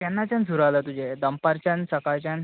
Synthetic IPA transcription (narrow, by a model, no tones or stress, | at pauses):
t̪anːat͡ɕand͡zʱuɾalat̪ud͡ʑed̪əmpaɾt͡ɕansəkat͡ɕan